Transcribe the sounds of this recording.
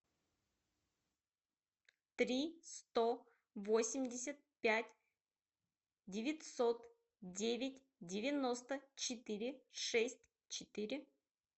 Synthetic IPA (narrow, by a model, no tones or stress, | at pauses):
t̪ɾʲist̪o | vo̞sʲɪmʲdʲɪsʲət̪̚pʲætʲ | dʲɪvʲɪtʲso̞t̪ | dʲevʲɪtʲ | dʲɪvʲɪno̞st̪ət͡ɕɪt̪ɨɾʲɪʂɛsʲt̚ʲ | t͡ɕɪt̪ɨɾʲɪ